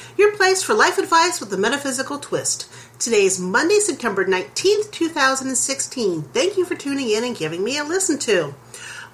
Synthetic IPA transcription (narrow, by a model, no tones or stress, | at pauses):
jə˞pʰl̥eɪsfə˞laɪfɨdvaɪswəðəmɛɾɨfɪzɨkl̩ˠtʰw̥ɪst | tʰɨdeɪɨzmʌ̃ndeɪsɛp̚tʰɛ̃mbə˞nãɪ̃ntʰĩnθtʰʉθaʊzə̃n̩dɨ̃n̩sɪkstʰĩnθæ̃ŋkjɨfə˞tʰʉ̃nɪ̃ŋɪ̃nɨ̃nɡɪvɪ̃ŋmiɨlɪsn̩tʰʉ